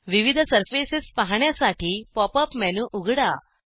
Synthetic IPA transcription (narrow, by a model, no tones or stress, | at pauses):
ʋiʋid̪ʱsəɾfesispaɦɳjasaʈiːpɔpəpmɛnuʔuɡʱɽa